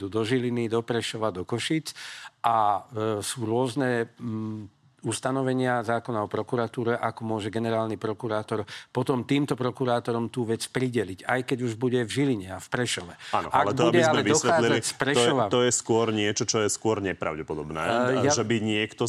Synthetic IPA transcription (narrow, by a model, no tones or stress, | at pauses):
d̪uːd̪ɔʒilinid̪ɔpɾɛʃɔʋad̪ɔkɔʃit͡sasuːɾʊɔznɛ | ust̪anɔʋɛɲɪazaːkɔnaɔpɾɔkuɾat̪uːɾɛʔakɔmʊɔʒɛɡɛnɛɾaːlnipɾɔkuɾaːt̪ɔɾpɔt̪ɔmt̪iːmt̪ɔpɾɔkuɾaːt̪ɔɾɔmt̪uːʋɛt͡spɾiɟɛliɟajkɛɟuʒbuɟɛvʒiliɲɛafpɾɛʃɔʋɛanɔʔalɛtɡb̪ɔuaɟiɛzalmɛɛvid̪ɔsxʋɛaaːlilzalcspɾɛʃɔʋat̪ɔjɛskʊɔɾɲɪɛt͡ʃɔt͡ʃɔjɛskʊɔɾɲɛpɾa̰ʊɟɛpɔd̪ɔbnɛ̰jaʒɛbiɲɪɛkt̪ɔ